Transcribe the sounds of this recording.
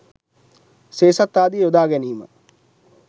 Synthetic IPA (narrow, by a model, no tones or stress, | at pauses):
seːsat̪ːaːd̪iod̪aːɡɛniːmə̰